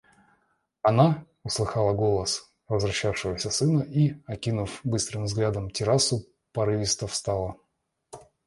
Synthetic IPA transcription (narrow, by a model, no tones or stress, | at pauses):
ɐna | ʊslˠɨxɑlˠəɡo̞lˠəs | vəzvɾɐɕːafʂɨvəsʲəsɨnəʔiɐkʲinʊfbɨst̪ɾɨmvzɡlʲad̪əmtʲɪɾasʊ | pɐɾɨvʲɪst̪əfst̪alˠə